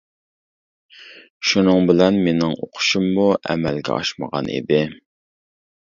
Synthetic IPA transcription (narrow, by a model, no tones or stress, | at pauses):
ʃunɨŋbɪlɛnmenɪŋoqʰʊ̥ʃumːuʔɛ̰mɛlɡʲɛ̰ʔɑ̰ʃmə̰ʁɑ̰nḛd̪ɪ